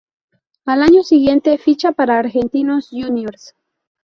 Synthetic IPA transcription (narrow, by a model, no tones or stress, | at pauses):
alaɲo̞siɣje̞nt̪e̞fit͡ʃapaɾaːɾxe̞nt̪inosʝunjoɾs